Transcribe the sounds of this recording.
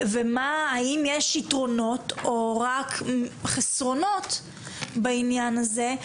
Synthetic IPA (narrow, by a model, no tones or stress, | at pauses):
vemaːimjeʃitʁo̞no̞toʁakχesʁo̞no̞t | bainjanaze